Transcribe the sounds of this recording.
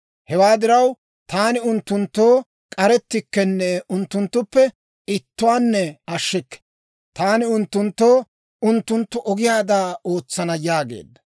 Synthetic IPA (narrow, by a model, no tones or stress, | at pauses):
hɛwaːd̪ɪɾɐw | t̪aːnɪʊnt̪ːʊnt̪ːoː | kʼɐɾɛt̪ːɪkːɛnːɛʔʊnt̪ːʊnt̪ːʊpːɛ | ɪt̪ːʊwaːnːɛɐʃːɪkːɛ̥ | t̪aːnɪʊnt̪ːʊnt̪ːoː | ʊnt̪ːʊnt̪ːʊʔɔɡɪjaːd̪aːo̞ːt͡sːɐnɐjaːɡḛːd̪ːɐ